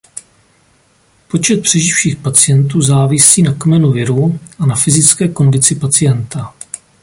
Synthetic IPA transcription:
po̞t͡ʃɛt̪̚pr̥ɛʒɪfʃiːxpat͡sɪjɛnt̪uːzaːvɪsiːnakmɛnuvɪɾuʔanafɪzɪt͡skɛːko̞ndɪt͡sɪpat͡sɪjɛnt̪a

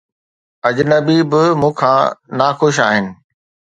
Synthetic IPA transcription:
ɐd͡ʑnəbibɪmũːkʰãːnaːxʊʃ̬aːɦɪnɪ̆

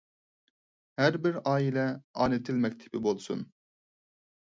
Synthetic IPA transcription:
hæɾbɪɾɑːilɛɑ̰ːnɪt̪ʰɪlmɛkʲt̪ʰɪ̥pɪbolˠsun

